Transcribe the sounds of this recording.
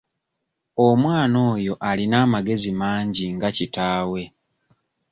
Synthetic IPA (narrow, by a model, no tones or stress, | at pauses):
omwaːno̞ːjo̞ʔalinaːmaɡe̞zimaːɲɟiŋɡacitaːwe̞